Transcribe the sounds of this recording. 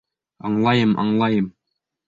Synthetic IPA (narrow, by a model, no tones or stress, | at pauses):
ɑɴlˠɑjɤmʔɑ̰ɴlˠɑjɤm